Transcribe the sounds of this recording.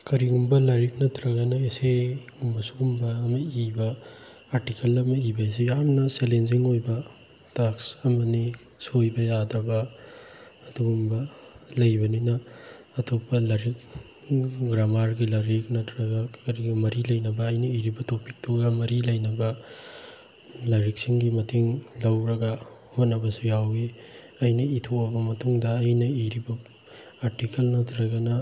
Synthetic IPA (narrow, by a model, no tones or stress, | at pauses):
kɐɾiɡumbɐlɐɾik̚nɐtɾɐɡɐnɐesejɡumbɐsuɡumbɐːmɐibɐː | ɾtikʰɐlɐmɐibɐes̬ejamnɐselenziŋojbɐ | taksɐmɐni | sojbɐjadɾɐbɐː | duɡumbɐlɐjbɐninɐː | tʰopːɐlɐɾik̚ | ɡɾamaɾɡilɐɾik̚nɐtɾɐɡɐkɐɾiɡimɐɾilɐjnɐbɐːjnɐiɾibɐtʰopik̚tʰoɡɐmɐɾilɐjnɐbɐ | lɐɾik̚siŋɡimɐtʰiŋlɐwɾɐɡɐhot̚nɐbɐsujawɡi | ɐjnɐitʰowɐbɐmɐtuŋdɐːjnɐiɾibɐ | aɾtikelnɐtɾɐɡɐnɐ